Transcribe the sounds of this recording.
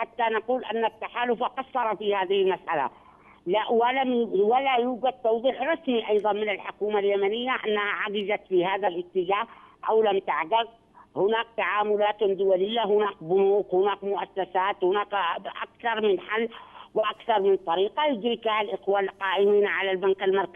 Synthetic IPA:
ħat̪ːanɑquːlʔanːat̪ːaħaːlʊfaqɑsˤːɑɾˤɑfiːhaːðɪhɪlmasʔa̰la̰ | laʔwalamwalajuːɡad̪̚t̪ɑwðˤiːħɾˤɑsmiʔɑjðˤɑnmɪnɪlħʊkuːmaljamanɪjːaʔanːahaʕaɡɪzat̪fiːhaːðalʔɪt̪ːɪd͡ʒaːhʔa̰wlamt̪aʕɡað | hʊnaːk̚t̪aʕaːmʊlaːt̪d̪ʊwalɪjːaɦʊnaːkbʊnuːqhʊnaːkmʊʔasːasaːt̪hʊnaːkʔa̰kθɑɾˤmɪnħalːwʔakθɑɾˤmɪnt̪ˤːɑɾiːqɑjʊd̪ɾɪkhalʔɪqwaːlqɑːʔɪmiːnʕalalbankalmɑɾˤka

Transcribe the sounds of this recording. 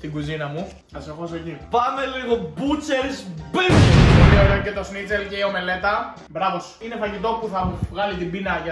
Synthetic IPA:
t̪iɡuzinɐmu | ɐsexos̬oçipɐme̞liɣo̞but͡sesbiolioɾeocet̪o̞snit͡seɾceio̞me̞le̞t̪ɐ | bɾɐvo̞sine̞fɐʝit̪o̞puθɐvɣɐlit̪imbinɐʝɐ

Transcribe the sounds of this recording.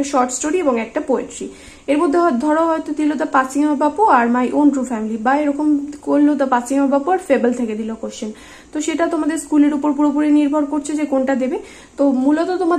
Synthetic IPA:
ʃɔɾʈsʈoɾieboŋɛk̚ʈapoeʈɾi | eɾmod̪ʱːeɦɔd̪ʱɔɾoɦɔet̪ot̪ilot̪apat͡ɕiŋoɾbapoaɾmajʔonʈɾufɛmilibaeɾɔkomkolːot̪apat͡ɕiŋoɾbapoaɾfebəlt̪ʰeked̪ilokoɾʃʰen | t̪oʃeʈat̪omad̪eɾskuleɾupoɾpuɾopuɾeniɾbʱɔɾkoɾt͡ɕʰed͡ʑekonʈad̪ebe | t̪omulot̪ot̪oma

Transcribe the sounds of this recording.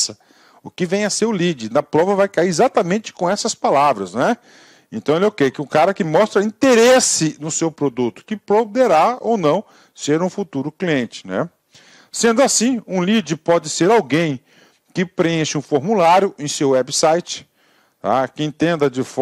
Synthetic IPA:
ɐ | ʊkɪvẽj̃ɐsewlid͡ʒɪnɐpɾɔvɐvajkaiɾizat̪ɐmẽnt͡ʃɪ̥kõɛsɐspalavɾɐsnɛ | ẽt̪ɐ̃w̃elowkejkɪũkaɾɐkɪmɔst̪ɾɐĩt̪eɾesɪnʊsewpɾod̪ut̪ʊ̥kɪpɾod̪eɾao̰wnɐ̃w̃ | seɾũfut̪uɾʊkliẽnt͡ʃɪ̥nɛ̰ | sẽnd̪ʊasĩũlid͡ʒɪpɔd͡ʒɪseɾawɡẽj̃ | kɪpɾeẽʃɪũfoɾmulaɾjʊʔẽj̃sewɛbɪsajt͡ʃɪ̥ | t̪a̰kɪĩnt̪ẽnd̪ɐd͡ʒɪf

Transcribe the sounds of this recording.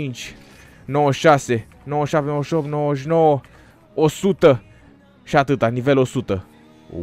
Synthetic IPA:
int͡ʃʲ | nowəʃase | nowəʃap̚t̪enowəʃopt̪nowəoʃ̬nowə | osut̪ə | ʃiat̪ɨt̪anivelo̞sut̪ə

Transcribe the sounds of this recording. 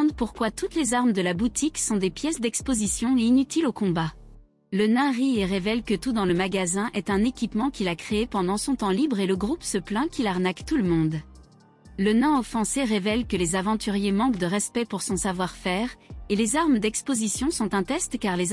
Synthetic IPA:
d̪puʁkwat̪ut̪lezaʁmd̪əlabut̪ʰiksɔ̃d̪epjɛsd̪ɛkspozisjɔ̃einyt̪ilokɔ̃ba | lənɛ̃ʁieʁevɛlkət̪ud̪ɑ̃ləmaɡazɛ̃ʔɛt̪ɛ̃nekʲipmɑ̃kʲilakχeepɑ̃d̪ɑ̃sɔ̃t̪ɑ̃libʁeləɡʁupsəplɛ̃kʲilaʁnakt̪uləmɔ̃d̪ | lənɛ̃ɔfɑ̃seʁevɛlkəlezavɑ̃t̪yʁjemɑ̃kd̪əʁɛspɛpuʁsɔ̃savwaʁfɛːʁelezaʁmd̪ɛkspozisjɔ̃sɔ̃t̪ɛ̃t̪ɛst̪kaʁle

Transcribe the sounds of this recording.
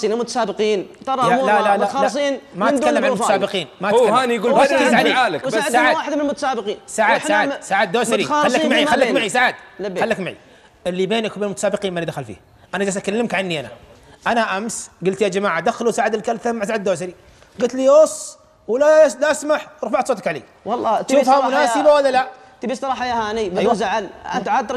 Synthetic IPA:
inmʊt̪ḁsaːbɪqiːnt̪ɑɾˤɑalalalaxɑsˤiːnmaad̪alamalmʊt̪asaːbɪqiːnmaʔahaːnijɡuːsʕalaːlɪkːʕd̪aʕawaːħɪd̪mɪnɪlmʊt̪ḁsaːbɪqiːnsaʕsaʕadsaʕad̪̚d̪oːsaɾixalːamaʕialːakmaʕisaʕad̪lxalːakmaʕḭ | ɪlːibeːnɪkbenlmʊt̪ḁsaːbɪqiːnmalid̪axalfḭh | ʔanad͡ʒas̬ʔakalːɪmkʕanːiʔana̰ʔanaʔamsɡʊlt̪jad͡ʒamaːʕad̪axalusaːʕɪd̪ɪlkalθamːaʕsaʕad̪d̪oːsaɾi | ɡʊlt̪liosˤ | wlalaʔasmaħɾˤfaʕt̪soːt̪akʕalḛː | wɑlˤːɑʃuːfhamʊnaːsɪbawalːala | t̪ɪbisˤt̪ɾɑːħajahaːnibzaʕalat̪ʕad̪ɾ

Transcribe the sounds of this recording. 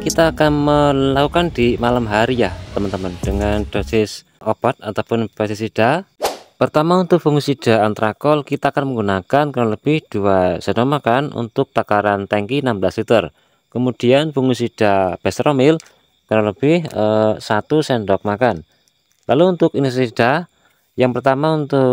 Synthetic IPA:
kit̪aːkanməlakukand̪̥imalamɦaɾijaht̪əmənt̪əmənd̥əŋand̥osɪs | ʔob̥at̪̚at̪awpʊnpɛst̪isid̥apərt̪amaunt̪ʊk̚b̥uŋusid̥a̤ant̪ɾakɔlkit̪aːkanməŋɡunakankaɾaləb̥ɪhd̥uasənɔmakanṵnt̪ʊk̚t̪akaɾant̪ɛŋkinambəlaslit̪ər | kəmud̪̥ianb̥uŋusid̥ab̥ɛst̪ɾomɪl | kaɾaləb̥ɪhəsat̪usɛndɔk̚makan | laluːnt̪ʊkinsid̥a | jaŋpərt̪amaunt̪ʊk

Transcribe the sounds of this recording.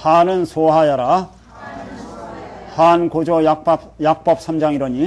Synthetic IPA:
hanɯnsʰoɦajaɾa | hankod͡ʑʌjak̚pap̚jak̚p͈ʌp̚s͈ʰamd͡ʑaŋiɾʌɲi

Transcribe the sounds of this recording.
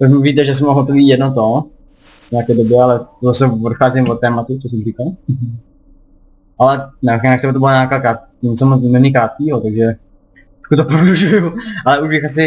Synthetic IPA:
t̪oʒmviːt̪ɛʒɛs̬ɛmoɦot̪oviːjɛdnot̪o | vɲɛakɛːdobjɛalɛt̪osɛodxaːzɪmvot̪ːɛːmat̪ut͡sosɛmrikalɦ | ʔalɛnɛnakt̪ɛbɛt̪obɪlaɲaːkaːkaː | nɛsɛmomɛnikɾaːt̪̚kiːɦot̪aɡʒɛ | t̪ḁkut̪opɾoɦuʒujuʔalɛuʒbɪxas̬ɪ

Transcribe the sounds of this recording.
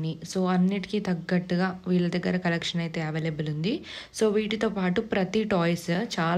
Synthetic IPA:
niso̞ːɐnːiʈi̥kit̪ɐɡːɐʈːuɡaːʋiːɭːɐd̪ɐɡːɐɾɐkɐlekʂɐnɐjt̪eːɐʋeːlebɐlund̪i | so̞ːʋiːʈit̪oːpaːʈupɾɐt̪iʈoːjst͡ʃaːl

